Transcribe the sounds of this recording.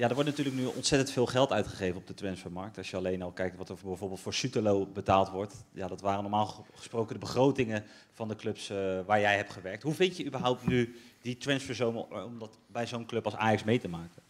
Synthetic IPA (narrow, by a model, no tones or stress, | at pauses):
jadəɹʋɔɹtnatyːɹləknyɔ̰ntsɛtəntfɪːlˠχɛlˠtœɥtχəχejvənɔbdətɹɛnsfəmɑɹk̚tɑʃjəɑlejnɑlˠkɛjktʋɑtəbɛjvoːɹbɪlˠtfʊːɹsytəlowbətaːlˠtʋɔɹtjadɑtʋaːrənɔɹmaːlˠχə̥sprowkəndəbəχrowtɪŋə | vɑndəklɵpsʋaːɹjɛjɦɛp̚tχəʋɛɹk̚tɦuvɪntjəybəɹɦɔwp̚tnyditɹɛnsfəzowmɔmdɑt | bɛjzownklɵpɑlˠsa̰ːjɑksmejtəmaːkə